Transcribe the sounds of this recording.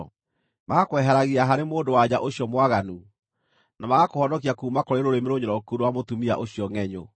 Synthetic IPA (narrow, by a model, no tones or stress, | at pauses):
maɣakwɛɦɛɾaɣiaɦaɾemoːndowad͡ʑaʔoɕijɔmwaɣanu | namaɣakohɔnɔkiakuːmakoɾeɾoɾemeɾoɲoɾɔkuɾowamotumia̰ʔoɕiɔŋɛɲo̰